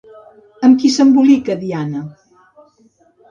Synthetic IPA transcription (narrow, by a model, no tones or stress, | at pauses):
əmkisəmbulikəðianə